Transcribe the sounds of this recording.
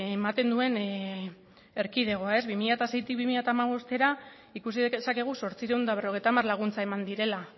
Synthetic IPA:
emat̪e̞nd̪ue̞n | e̞ɾkið̞e̞ɣ̞o̞ae̞zβimiʎaet̪ase̞jt̪ik̚βimiʎat̪aːmaβo̞st̪e̞ɾa | ikus̬iðesake̞ɣ̞uso̞ɾt͡siɾewnd̪aβ̞ero̞ɣe̞jt̪amarlaɣ̞unt͡sae̞mand̪iɾe̞la

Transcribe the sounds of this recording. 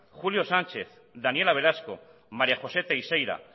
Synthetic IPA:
xuljo̞sant͡ʃe̞θ | d̪anie̞laβe̞ɾasko̞̰ | maɾjaxo̞se̞t̪aisejɾa̰

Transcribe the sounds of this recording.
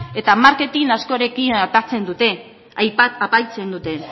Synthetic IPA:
e̞t̪amaɾke̞t̪inasko̞ɾekinaɾt̪at͡se̞nd̪ut̪e̞ | ajpaapajt͡se̞nd̪ut̪e̞

